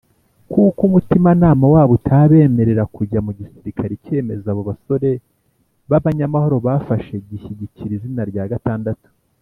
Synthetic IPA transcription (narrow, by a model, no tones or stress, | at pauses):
kukumutimanaːmawaːβotʰaβe̞ːme̞ɾe̞ɾakuɾɟamuɟisiɾikʰaɾice̞ːme̞zaβo̞βaso̞ɾe̞ | βaβaɲamaho̞ɾo̞βafaʃe̞ɟiçiɟiciɾizinaɾɟaːɡataːndatu̥